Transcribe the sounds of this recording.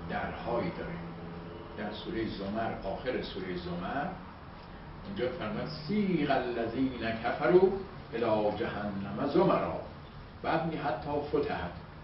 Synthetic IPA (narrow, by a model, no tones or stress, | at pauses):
d̪æɾhɒːjiːd̪ɒːɾiːm | d̪̥æɾsuːɾejezomæɾʔɒːxeɾesuːɾejezomæɾ | ind͡ʒɒːmefæɾmɒːjæd̪siːɣælːæziːnækʰæfæɾuː | ʔelɒːd͡ʒæhænːæmæzomæɾɒ̰ː | b̥æːd̪̚miːɦæt̪ʰːɒːfot̪ʰæhæt̪